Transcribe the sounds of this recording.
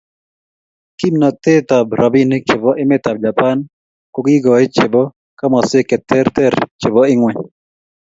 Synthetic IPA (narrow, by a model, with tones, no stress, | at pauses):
ki˦mna˨t̪e˦t̪a˨bɾa˨bi˦nɪt͡ʃɪ˨bɔ˦ʔɪ˦mɪ˦t̪a˨b̚d͡ʒa˨pa˦n | koɡɪ˦ɡɔ˨ɪ˦t͡ʃɪ˨bɔ˦ | ka˦ma˨sɪ˦kɛ˨t̪ʰɛ˦ɾt̪ɛ˦ɾt͡ʃɪ˨bɔ˦ɪ˦ŋwɛ˨